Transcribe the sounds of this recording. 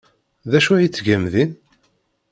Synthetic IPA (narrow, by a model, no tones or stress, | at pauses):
ðæʃujit͡sːʝæmðin